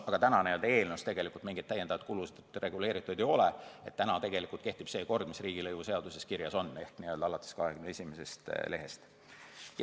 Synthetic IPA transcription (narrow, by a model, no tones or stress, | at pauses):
ɑɡ̥ɑt̪ænɑnejold̪e̞ːlnust̪e̞ɡ̥e̞likːˑult̪miŋɡid̪t̪æjend̪ɑvɑd̪t̪̚kulused̪re̞ɡule̞ːɾit̪ːˑud̪̥ejo̞leet̪ːænɑt̪e̞ɡe̞likˑult̪ke̞ht̪ib̥se̞ːko̞rd̪̥misriːɡ̥ilɤjvuse̞ɑd̪̥use̞skirjɑso̞nːe̞hkniøld̪̥ɑɑlɑt̪ːˑe̥skɑhekymnee̞sʲimesest̪le̞ɦest̪ | j